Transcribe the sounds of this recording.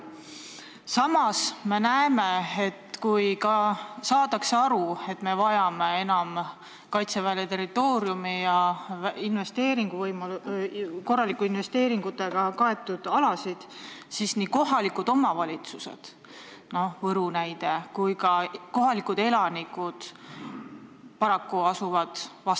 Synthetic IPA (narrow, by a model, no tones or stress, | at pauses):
sɑmɑsme̞næeme̞et̪kujkɑsɑːt̪ɑkseɑɾue̞t̪ːˑme̞vɑjɑme̞e̞nɑm | kɑjt̪se̞vælet̪e̞rit̪ːˑo̞ːɾjumijɑinve̞st̪e̞ːɾiŋɡ̥uvɤjmo | ko̞rːɑlikːˑuinve̞st̪e̞ːɾiŋɡ̥ut̪ːˑe̞ɡ̥ɑkɑe̞t̪ːˑud̪̥ɑlɑsid̪̥sisniːko̞ɦɑlikud̪̥o̞mɑvɑlʲit̪suse̞̰d̪̥ | no̞vɤɾunæjd̪̥e̞kujkɑko̞ɦɑlikud̪̥e̞lɑnikud̪̥ | pɑɾɑkːuɑsuvɑd̪̥vɑst̪